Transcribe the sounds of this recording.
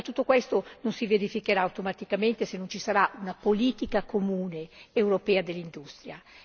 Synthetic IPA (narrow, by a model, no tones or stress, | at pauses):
t̪ːut̪ːokwest̪ononsiveɾifikeɾaːwt̪omat̪ikament̪esenːont͡ʃisaɾaʔunapoliːt̪ikakʰomuːneːwɾopɛːad̪elːind̪ust̪ɾja